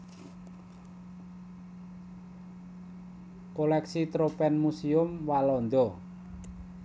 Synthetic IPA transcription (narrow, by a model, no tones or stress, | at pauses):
kolɛksit̪ɾopɛnmusiʊmwalɔnd̪ɔ